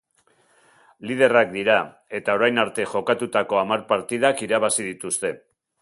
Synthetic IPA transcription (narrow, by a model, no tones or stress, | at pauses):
lið̞e̞rak̚d̪iɾa | e̞t̪ao̞ɾajnaɾt̪e̞ʝo̞kat̪ut̪ako̞amaɾpaɾt̪iðakiɾaβ̞asið̞it̪ust̪e̞